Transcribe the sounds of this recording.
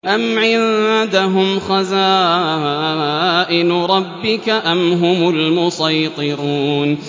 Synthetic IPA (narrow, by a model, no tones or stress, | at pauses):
ʔamʕɪðd̪aɦʊmxazaː | ʔɪnɾˤɑbːɪkaʔamɦʊmʊlmʊsˤɑjt̪ˤɨɾuːn